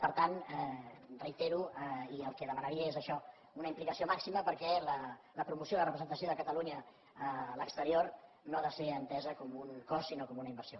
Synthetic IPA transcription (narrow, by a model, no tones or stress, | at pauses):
pəɾt̪anɛrəit̪eɾuiəlˠkɛðəmənəɾiəezəʃɔ | unəimplikəsiomaksiməpəɾkɛlələpɾumusjoilərəpɾəzənt̪əsioðəkət̪əluɲə | əːləkst̪əɾior | noaðəseənt̪ɛzəkɔmuŋkɔsinokɔmunəimbəɾsio